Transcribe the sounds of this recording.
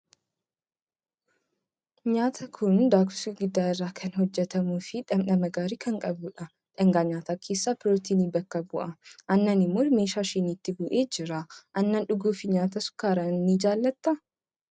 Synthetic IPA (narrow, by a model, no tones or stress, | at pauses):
ɲaːt̪ʰɐkʰʊnd̪aːkʊsiɡɪd̪ːaːɪrːaːkʰɐnhɔd͡ʒːɛt̪ɐmuːfɪᶑɐmnɐmɐɡaːɾiːkɐŋkʼɐbʊᶑɐ | ᶑɐŋɡaːɲaːt̪aːkʰeːsːaːpɪɾoːt̪iːniːbɐkːɐbʊʔɐʔɐnːɐnɪmːoːme̞ːʃaːʃɪnit̪ːɪbʊʔe̞ːd͡ʒɪɾɐʔɐnːɐnᶑʊɡuːfɪɲaːt̪ɐsʊ̥kaːɾɐnːid͡ʒaːlːɐt̪ːɐ